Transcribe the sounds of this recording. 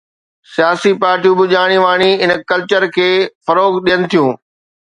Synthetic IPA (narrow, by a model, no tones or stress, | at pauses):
sijaːsipaːɾʈijũbɪʄaːɽ̃iʋaːɽ̃iɪnkɐlt͡ɕəɾkʰeːfɐɾoːɡɗijənɪ̆t̪ʰijũː